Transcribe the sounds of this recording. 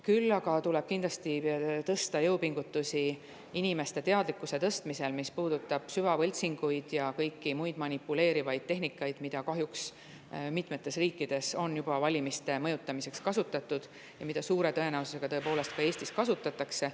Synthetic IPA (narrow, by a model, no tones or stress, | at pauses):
kylːɑɡ̥ɑt̪uleb̥kind̪lɑst̪it̪ɤst̪ɑjɤupiŋɡ̥ut̪ːusi | inime̞st̪e̞t̪eɑd̪likːˑuse̞t̪ɤst̪mise̞lmispuːd̪̥ut̪ːˑɑb̥syvɑvɤlʲt̪siŋɡ̥ujd̪̥jɑkɤjkːimujd̪̥mɑnipːˑule̞ːɾivɑjd̪̥̚t̪e̞ɦnikːˑɑjd̪̥mid̪̥ɑkɑɦjuks | mit̪ˑme̞t̪ːˑe̞sriːkːˑid̪̥e̞so̞njub̥ɑvɑlʲimist̪e̞mɤjut̪ːˑɑmise̞kskɑsut̪ːˑɑt̪ːˑud̪̥ | jɑmid̪ɑsuːɾe̞t̪ɤ̞e̞næwususe̞ɡ̥ɑt̪ɤe̞po̞ːle̞st̪̚kɑeːsʲt̪iskɑsut̪ːˑɑt̪ːˑɑkse̞